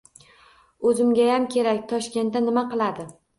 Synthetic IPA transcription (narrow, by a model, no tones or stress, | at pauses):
ɵzɪmɡʲajamkʲʰe̞ɾakʲt̪ʰɒʃkʲe̞nt̪d̪anɪmaqɨlˠad̪ɪ